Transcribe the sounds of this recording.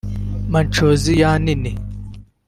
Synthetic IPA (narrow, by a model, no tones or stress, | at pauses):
mɐnʈ͡ʂozijaːnini